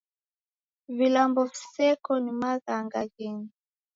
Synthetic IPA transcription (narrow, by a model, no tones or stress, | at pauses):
vilambɔvisɛkɔnimaɣaŋɡaɣɛni